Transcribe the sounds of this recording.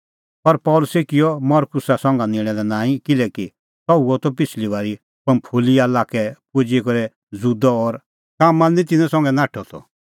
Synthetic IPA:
pɐɾpɔːlʊsekɪjɔmɔɾkʊsasɔ̃ŋɡanɪ̃ɽ̃ɛlɛnãːĩkɪlɛki | t̪ɔuɔt̪ɔpɪsʰliʋaːɾi | pɐ̃mpʰoːlialakɛpud͡ʒekɔɾɛ | zud̪ɔɔɾ | kaːmːanĩt̪̬ɪnɛ̃sɔ̃ŋɡɛnãːʈʰɔt̪ʰɔ̰

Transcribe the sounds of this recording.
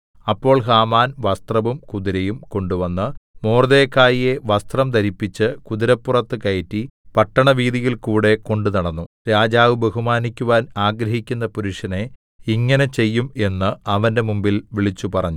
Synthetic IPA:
ɐpːo̞ːɭɦaːmaːnʋɐst̪rɐʋumkuðiɾejumko̞ɳɖuʋɐnːɨmoːrðeːkːaːjije̞ʋɐst̪rɐmt̪ɐɾipːit͡ɕːɨkuðiɾɐpːurɐt̪ːɨkɐjɐtːipɐʈːɐɳɐʋiːðijilkuːɽe̞ko̞ɳɖunɐɽɐnːu | ɾaːd͡ʑaːʋɨbeɦumaːnikʲːuʋaːnaːɡɾɐɦikʲːun̪ːɐpuɾuʂjɐne̞ | iŋːɐne̞t͡ɕe̞jːume̞nːɨɐʋɐnde̞mumbilʋiɭit͡ɕːupɐrɐɲːu

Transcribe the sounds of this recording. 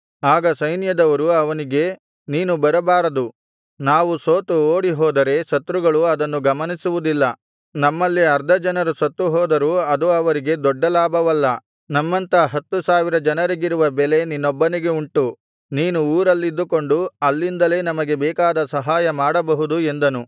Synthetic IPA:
aːɡɐsɐjnjɐd̪ɐʋɐɾuɐʋɐniɡe̞ | niːnubɐɾɐbaːɾɐd̪u | naːʋusoːt̪uoːɽiɦɔːd̪ɐɾe̞ʃɐt̪ːɾuɡɐɭuɐd̪ɐnːuɡɐmɐnisuʋud̪ilːɐ | nɐmːɐlːiɐɾd̪ʱɐd͡ʒɐnɐɾuʃɐt̪ːɾuɦɔːd̪ɐɾuɐd̪uɐʋɐɾiɡe̞d̪ɔɖːɐlaːbʱɐʋɐlːɐ | nɐmːɐnt̪ɐɦɐt̪ːusaːʋiɾɐd͡ʒɐnɐɾiɡiɾuʋɐbɛle̞ninːɔbːɐniɡe̞uɳʈu | niːnuːɾɐlːid̪ːuko̞ɳɖuɐlːind̪ɐle̞nɐmɐɡe̞bɛːkaːd̪ɐsɐɦaːjɐmaːɽɐbɐɦud̪ue̞nd̪ɐnu

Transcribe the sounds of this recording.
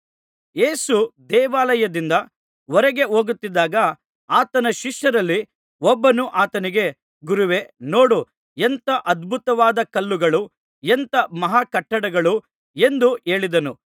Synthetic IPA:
je̞ːsud̪ɛːʋaːlɐjɐd̪ind̪ɐ | ɔɾɐɡe̞ɦoːɡut̪ːid̪ːaːɡɐ | aːt̪ɐnɐʃiʂjɐɾɐlːi | ɔbːɐnuʔaːt̪ɐniɡe̞ | ɡuɾuʋe̞noːɽu | ent̪ɐʔɐd̪bʱut̪ɐʋaːd̪ɐkɐlːuɡɐɭu | ent̪ɐmɐɦaːkɐʈːɐɽɐɡɐɭu | end̪ue̞ːɭid̪ɐnu

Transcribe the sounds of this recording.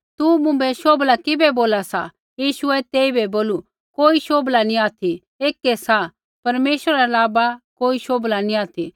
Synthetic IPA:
t̪umʊ̃mbɛʃoːblakɪbɛboːlasa̰ | jiːʃʊɛt̪eːibɛboːlu | koːiʃoːblanĩaːt̪ʰi | eːkːɛsa | pɐɾmeːʃəɾaɐlaːbakoːiʃoːblanĩaːt̪ʰi

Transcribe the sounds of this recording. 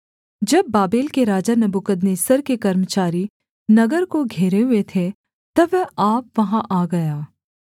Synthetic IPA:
d͡ʒɐbːaːbeːlkeɾaːd͡ʒanɐbukəd̪neːsəɾkekɐɾmət͡ʃaːɾi | nɐɡəɾkoɡʱeːɾeɦʊet̪ʰe | t̪ɐʋɛaːp̚ʋɐɦãʔaːɡɐjaː

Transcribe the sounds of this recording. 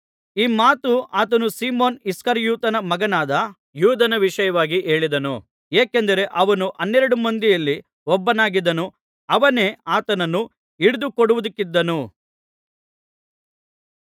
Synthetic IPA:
iːmaːt̪uʔaːt̪̬ɐnusiːmoːniskɐɾjuːt̪ɐnɐmɐɡɐnaːd̪ɐ | juːd̪ʱɐnɐʋiʂɐjɐʋaːɡiʔe̞ːɭid̪ɐnu | eːkend̪ɐɾe̞ʔɐʋɐnuʔɐnːɛɾɐɽumɐnd̪ijɐlːi | ɔbːɐnaːɡid̪ɐnu | ɐʋɐne̞ːaːt̪ɐnɐnːu | iɽud̪ukoɽuʋud̪ikːid̪ːɐnu

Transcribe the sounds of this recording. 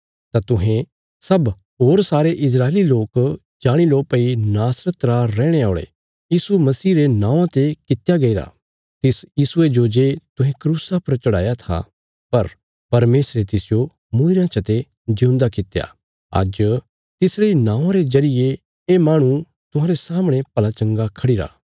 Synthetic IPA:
t̪at̪ʊɦẽ | sɐb | ɦoːɾsaːɾeʔɪs̬ɾaːeliloːk | d͡ʒaːɽ̃iloːpɐinaːsɾət̪ɾaɾɛːɽ̃eaːɭḛ | jiːsumɐsiːɾenãːʋãt̪ekɪt̪jaɡɐiɾa̰ | t̪ɪsjiːsʊed͡ʒoːd͡ʒet̪ʊɦɛ̃kɾuːsapɐɾt͡ʃɐɽa̰ːjat̪ʰa̰ | pɐɾ | pɐɾmeːsɾet̪ɪsɪjo | mʊ̃ːɪɾãt͡ʃʰɐt̪e | d͡ʒɐũnd̪akɪt̪ja̰ | ɐ̰d͡ʒ | t̪ɪsɾeinãːãɾezɐɾɪje | eːmaːɽ̃ũ | t̪ʊɦãːɾesaːməɽ̃ẽpɐlat͡ʃɐ̃ŋɡakʰɐɽiɾa̰ː

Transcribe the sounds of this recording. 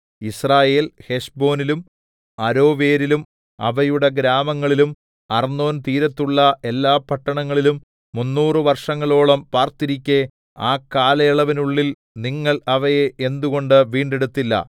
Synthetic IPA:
israːje̞ːlhe̞ʂbo̞ːnilum | ɐɾo̞ːʋeːɾilum | ɐ̰ʋɐjuɽeɡɾaːmɐŋːɐɭilum | ɐrnːo̞ːnt̪iːɾɐt̪ːuɭːɐe̞lːaːpːɐʈːɐɳɐŋːɐɭilumː | unːuːrɨʋɐrʂɐŋːɐɭo̞ːɭɐmpaːrt̪iɾikʲːe̞ | aːkːaːlɐjɐɭɐʋinuɭːil | niŋːɐɭɐʋɐjeʔe̞nd̪uɣo̞ɳɖɨʋiːɳɖe̞ɽut̪ːilːɐ̰

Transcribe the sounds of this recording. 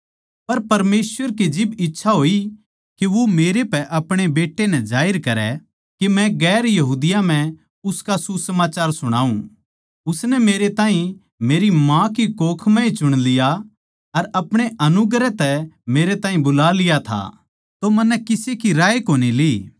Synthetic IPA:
pɐɾpɐɾmeːsʋəɾked͡ʒɪbɪtːʃʰaɦoːi | keʋomeːɾepɛʔɐpɽ̃ebeːʈːenɛ̃d͡ʒaːɪɾkɐɾɛ | kemɛ̃ɡɛːɾjɐɦuːd̪ɪjam̤ɛ̃ | ʊskasusɐmaːt͡ʃaːɾsʊɽ̃aːũ | ʊsnɛmeːɾet̪ãːĩ | meːɾimãkikoːkʰmɛ̃it͡ʃʊɽ̃lɪja | ɐɾɐpɽ̃eʔɐnʊɡɾɛt̪ɛmeːɾet̪ãːĩbʊlalɪjat̪ʰa̰ | t̪omɐnːɛkɪsekiɾaːekoːniliː

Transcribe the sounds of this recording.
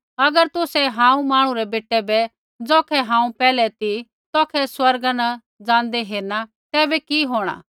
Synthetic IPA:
ɐɡəɾt̪ʊsɛɦãːũmaːɽ̃ũɾɛbeːʈɛbɛ | d͡zɔːkʰɛɦãːũpɛːlɛt̪i | t̪ɔːkʰɛswɐɾɡana | d͡zãːnd̪ɛɦeːɾna | t̪ɛːbɛkiɦoːɽ̃a̰ː

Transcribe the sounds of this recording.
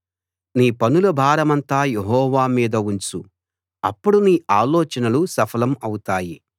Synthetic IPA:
niːpɐnulɐbʱaːɾɐmɐnt̪aːjeɦɔːʋaːmiːd̪ɐuɲt͡ʃu | ɐ̰pːuɽuniːʔaːlɔːt͡ʃɐnɐlusɐpʰɐlɐmɐwut̪aːji

